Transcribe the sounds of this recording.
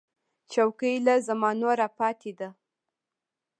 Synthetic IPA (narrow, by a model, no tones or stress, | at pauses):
t͡ʃawkəjlazamɑnoɾapɑt̪ʰed̪a